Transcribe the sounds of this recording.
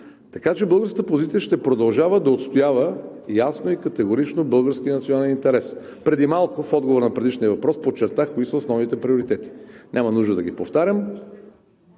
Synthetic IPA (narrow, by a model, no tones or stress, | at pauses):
t̪ɐkat͡ʃɛbɤlˠɡəɾskət̪əpozit̪sijəʃt̪ɛpɾod̪ɐlˠʒavəd̪ɐot̪st̪ojavə | jasnoikɐt̪ɛɡoɾit͡ʃnobɤlˠɡəɾsk̟iənɐt̪sionalɛnint̪ɛɾɛs | pɾɛd̪imalˠkʊfɔd̪ɡovoɾnɐpɾɛd̪iʃniəvɐpɾɔspot͡ʃːɛɾt̪axkoisəosnɔvnit̪ɛpɾioɾit̪ɛt̪i̥nʲʔamɐnuʒd̪əd̪ɐɡipoft̪aɾʲəm